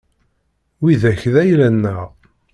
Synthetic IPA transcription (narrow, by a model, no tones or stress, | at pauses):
wiðæçðæjlænːəʁ